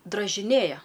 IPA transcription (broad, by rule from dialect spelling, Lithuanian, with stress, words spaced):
drɐʒʲɪˈnʲeːjɛ